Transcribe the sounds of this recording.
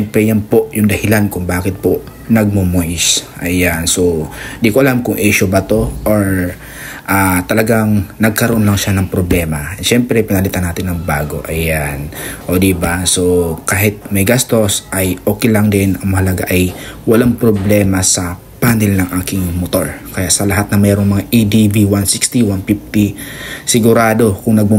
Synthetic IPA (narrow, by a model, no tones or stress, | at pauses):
ɛmpɾɛjanpo̞ʔjʊŋd̪ɐhɪlankʊŋbaːkɪt̪̚po̞ | nɐɡ̚momoʔɪsʔɐjanso̞ɪnd̪iːkoʔɐlamkʊŋʔiʃʊbɐt̪o̞ʔoɹ | ʔaːt̪ɐlɐɡaŋnɐɡ̚kɐɾoʔo̞nlɐŋʃanɐŋpɾoblɛːmɐʃɛmpɾɛpɪnɐlit̪anaːt̪ɪnːɐŋbaːɡo̞̰ʔɐjanʔoːd̪ibaso̞kaːɦɪt̪̚mɐjɡast̪o̞sʔɐjʔo̞ːkɛjlɐŋd̪ɛnɐŋmɐhɐlɐɡa̰ʔɐjwɐlaŋpɾoblɛːmɐsɐ | paːnɛlnɐŋʔaːkɪŋmot̪o̞̰ɹkɐjaʔsɐlɐɦat̪̚nɐmɛːɾoŋmɐŋaʔid̪iviwansikst̪iwanfift̪isɪɡʊɾaːd̪o̞kʊŋnɐɡ̚mɐ